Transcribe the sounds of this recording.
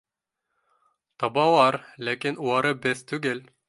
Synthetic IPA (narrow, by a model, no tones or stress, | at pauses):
t̪ɑbɑwɑɾlækinuɑɾɤbɘθt̪ʉɡɘl